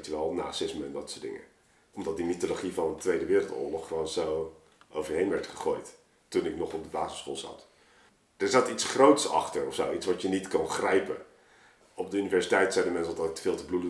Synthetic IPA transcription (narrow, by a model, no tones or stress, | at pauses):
tʋɛlˠna̰ːsɪsməɛndɑtsoːdɪ̰ŋə̰ | ɔmdɑt̚dimitoloχivɑnəntʋejdəʋɪːɾəl̩ˠtʊ̰ːɹlɔχrownzow | owvəɹɦejnʋɛɹtχə̥χojt | tunɪknɔχɔb̚dəbaːzəsχo̰ːlˠzɑ̰t | d̥əɹzatitsχrowtsɑ̰χtəɹɔfsowitsʋɑtənitkɑnχrɛjpə̰ | ɔb̚dəynivɛɹsitɛjtsɛjdəmɛnslˠdɑtɪk̚tə̥v̥ɪːlˠtəbludə